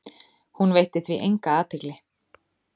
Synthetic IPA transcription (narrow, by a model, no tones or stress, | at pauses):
hunvejht̪ɪθviʔejŋkaaːt̪ʰɪklɪ